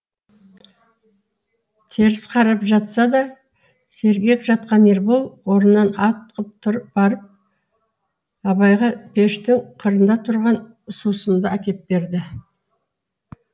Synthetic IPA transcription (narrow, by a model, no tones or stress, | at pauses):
t̪ʰeɾɪsqʰɑɾɑpʒɑt̪sɑd̪ɑ | se̞ɾɡʲe̞kʒɑt̪̚qɑneɾbolˠwo̞ɾənːɑnɑt̪ːəqəp̚t̪ʰʊɾbɑɾəp̚ | ɑβɑjʁɑpʰe̞ʃt̪ɪŋqʰəɾənd̪ɑt̪ʰʊɾʁɑn | susənd̪əækʲe̞t̪̚be̞ɾd̪ɪ